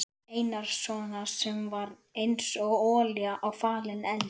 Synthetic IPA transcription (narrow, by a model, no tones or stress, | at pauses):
ejnaɾ̥svɔːnasɛmvaɾ | ejnsɔɣɔːljaʔawfaːlɪnɛl